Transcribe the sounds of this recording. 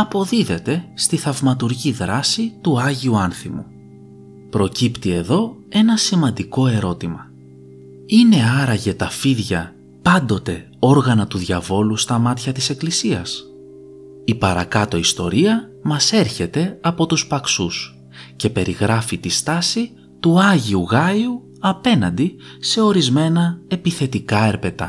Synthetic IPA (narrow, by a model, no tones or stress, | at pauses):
ɐpo̞ðiðe̞t̪e̞st̪iθɐvmɐt̪uɾʝiðɾɐsit̪uɐʝiuɐnθimu | pɾo̞cipt̪ie̞ðo̞e̞nɐsimɐnd̪iko̞e̞ɾo̞t̪imɐ | ine̞ɐɾɐʝe̞t̪ɐfiðʝɐ | pɐnd̪o̞t̪e̞ | o̞ɾɣɐnɐt̪uðʝɐvo̞lust̪ɐmɐt̪çɐt̪ise̞klisiɐs | ipɐɾɐ̰kɐt̪o̞ist̪o̞̰ɾiɐ | mɐse̞ɾçe̞t̪e̞ɐpo̞t̪uspɐksus | ce̞pe̞ɾiɣɾɐfit̪ist̪ɐsi | t̪uɐʝiuɣɐju | ɐpe̞nɐnd̪i | se̞o̞ɾizme̞nɐe̞piθe̞t̪ikɐe̞ɾpe̞t̪ɐ̰